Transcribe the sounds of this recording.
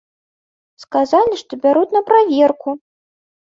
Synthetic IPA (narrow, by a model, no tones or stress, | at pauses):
skazalʲiʂt̪ɔbʲaɾut̪ʲnɐpɾavʲɛrku